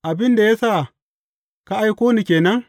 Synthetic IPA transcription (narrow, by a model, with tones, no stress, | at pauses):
ʔa˨bɪ˦nda˨ja˦saː˦˨ | ka˦ʔa˦jkʷoː˦ni˨kʲeː˨nɐ˦ŋ